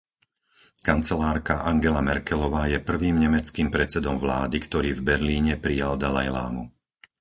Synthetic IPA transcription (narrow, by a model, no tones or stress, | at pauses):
kant͡sɛlaːɾkaʔaŋɡɛlamɛɾkɛlɔʋaːjɛpr̩ʋiːmɲɛmɛt͡skiːmpɾɛt͡sɛd̪ɔmʋla̰ːd̪ikt̪ɔɾiːvbɛɾliːɲɛpɾijald̪ala̰jla̰ːmṵ